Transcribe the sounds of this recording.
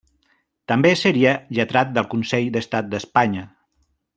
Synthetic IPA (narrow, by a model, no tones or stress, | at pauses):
t̪əmbesəɾiəʎət̪ɾat̪̚d̪əlˠkunsɛʎd̪əst̪at̪̚d̪əspaɲə